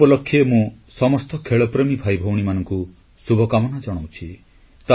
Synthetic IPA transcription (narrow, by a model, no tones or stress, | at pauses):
pɔlɔkʰːjemũ | sɔmɔst̪ɔkʰeɭɔpɾemibʱajbʱɔwɽ̃imanɔŋku | subʱɔkamɔnad͡ʒɔɽ̃owt͡ʃʰi | t̪a